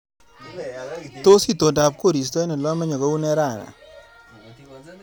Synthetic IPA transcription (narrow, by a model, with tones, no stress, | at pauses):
to˦si˦to˨nda˨p̚ko˦˨ɾi˨s̬tɔ˦nɛ˨lɔ˦mɛ˦ɲɔ˨ɡɔ˦u˦nɛ˦ɾa˦˨ŋa̰˨